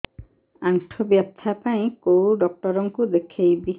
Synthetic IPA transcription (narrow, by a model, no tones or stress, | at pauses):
aŋʈʰɔbjap̚t̪ʰapaĩkowɖɔk̚ʈɔɾɔŋkud̪ekʰejbi